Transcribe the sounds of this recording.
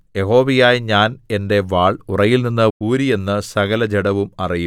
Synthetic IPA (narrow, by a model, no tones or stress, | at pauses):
je̞ɦo̞ːʋijaːjɲaːne̞nde̞ʋaːɭurɐjilninːɨuːɾije̞nːɨsɐɣɐlɐd͡ʑeɽɐʋumɐriju